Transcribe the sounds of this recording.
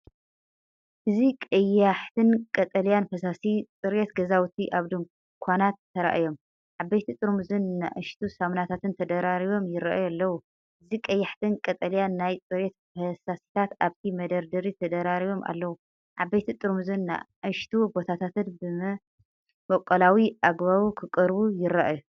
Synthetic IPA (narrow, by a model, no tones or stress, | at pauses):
ʔɨzikʼɐjaħt̪ʰɨnkʼɐt̪ʼɐlijanfɐsasit͡sʼɨɾet̪ɡɐzawt̪ʰiʔaβd̪ɨŋ | kʷʰanat̪ʰːɐɾa̰ʔjo̞m | ʕabːɐjt̪ʰit̪ʼɨɾmuzɨnːa̰ʔɨʃt̪ʰusamnat̪ʰat̪ɨnt̪ʰɐd̪ɐɾaɾiβo̞mjɪɾa̰ʔjalːɐwu | ʔɨzikʼɐjːaħt̪ʰɨnkʼɐt̪ʼɐljanːajt͡sʼɨɾet̪̚fɐsasi̥t̪ʰat̪aβt̪ʰimɐd̪ɐɾd̪ɨɾit̪ʰɐd̪ɐɾaɾiβo̞mʔa̰lːɐwu | ʕabɐjt̪ʰit̪ʼɨɾmuzunːa̰ʔɨʃt̪ʰubo̞t̪ʰat̪ʰat̪ɨnbɨmɐ | wokʼːɐlawiʔaɡβaβukʰɨkʼɨɾbujɪɾːaʔju